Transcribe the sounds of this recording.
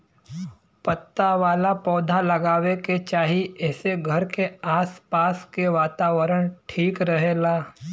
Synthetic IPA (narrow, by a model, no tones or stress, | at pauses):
pət̪ːaʋaːlapɔːd̪ʱalɐɡaːʋeket͡ʃaːɦiɛːseɡʱɐɾkeaːspaːskeʋaːt̪aːʋəɾəɽ̃ʈʰiːkɾɐɦeːlaː